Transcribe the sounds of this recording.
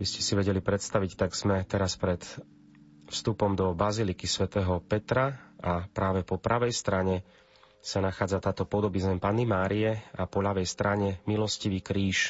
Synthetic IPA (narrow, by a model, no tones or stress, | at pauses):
biscɛ̥siʋɛɟɛlipɾɛt̪st̪aʋict̪aɡz̥mɛt̪ɛɾaspɾɛt̪ | fst̪upɔmd̪ɔbazilikisʋɛt̪ɛːɦɔpɛt̪ɾaapɾaːʋɛpɔpɾaʋɛjst̪ɾaɲɛ | sanaxaːd͡zat̪aːt̪ɔpɔd̪ɔbizɛmpanːimaːɾiɛapɔʎaʋɛjst̪ɾaɲɛmilɔsciʋiːkɾiːʃ